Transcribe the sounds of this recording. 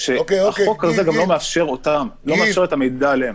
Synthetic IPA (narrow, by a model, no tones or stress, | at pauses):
ʃeaχokhazeɡamlo̞meafʃe̞ʁot̪amlo̞meafʃe̞ʁet̪amejd̪aːleem